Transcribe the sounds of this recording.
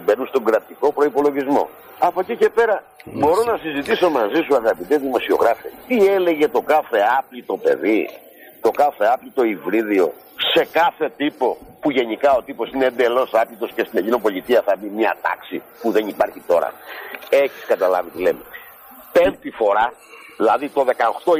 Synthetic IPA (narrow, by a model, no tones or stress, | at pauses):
benunst̪o̞ŋɡɾɐt̪iko̞pɾo̞ipo̞lo̞ʝizmo̞̰ | ɐpo̞cice̞pe̞ɾɐ | bo̞ɾo̞nɐsizit̪iso̞mɐzisuɐðɐpit̪ezðimo̞sio̞̰ɣɾɐfet̪iele̞ʝe̞t̪o̞kɐθe̞ɐplit̪o̞pe̞̰ði | t̪o̞kɐθe̞ɐpʎit̪o̞ivɾiðio̞̰ | se̞kɐθe̞t̪ipo̞puʝe̞nikɐo̞t̪ipo̞sineend̪e̞lo̞sɐplit̪o̞scest̪inecino̞po̞lit̪iɐθɐbimɲɐ̰t̪ɐ̰ksi | puðe̞nipɐɾçit̪o̞ɾɐ̰e̞çi̥skɐt̪ɐlɐ̰vit̪ilem | pe̞nt̪ifo̞ɾɐðilɐðit̪o̞ðe̞kɐoxt̪o̞